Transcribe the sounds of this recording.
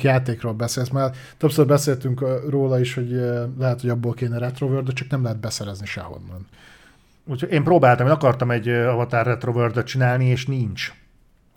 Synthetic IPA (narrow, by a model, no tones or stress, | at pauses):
kjaːt̪eːkroːlbɛseːlsmaːr | t̪øpsørbɛseːlt̪yŋkːroːlɒiʃho̞ɟlɛɦɛt̪hoɟɒbːoːlkeːnɛɾɛt̪rovørd̪øt͡ʃɒknɛmlɛɦɛd̪̚bɛsɛɾɛzniʃɛ̰ho̞̰nːɒn | uːchoɟeːmproːbaːlt̪ɒmeːnɒkɒrt̪ɒmɛɟɒvɒt̪aːrːɛt̪rovørd̪øt̪̚t͡ʃinaːlnieːʃnint͡ʃ